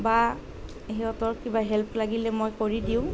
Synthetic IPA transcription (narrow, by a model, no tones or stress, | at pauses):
ba | ɦiɔtɔɹkibaɦɛlpʰlaɡilɛmojkoɹidiʊ̃